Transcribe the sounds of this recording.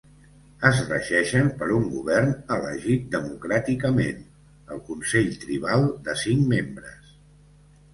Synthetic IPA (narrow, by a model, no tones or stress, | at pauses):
əzrəʒɛʃəmpəɾuŋɡuβɛrnələ̰ʒit̪̚d̪əmukɾat̪ikəmḛn | əlˠkunsɛʎt̪ɾiβ̞alˠd̪əsiŋmembɾəs